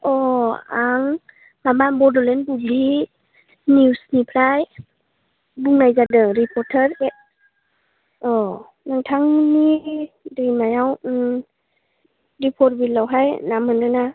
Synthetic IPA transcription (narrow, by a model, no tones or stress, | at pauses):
ɔaŋ | mamanbɔdɔlenbubli | niusnipʰɾaj | buŋnajzadɯɾipʰɔɾtʰəɾe | ɔ | naŋtʰaŋnidɯmajaw | ɾipʰɔɾ̚bilawɦajnamɯnɯna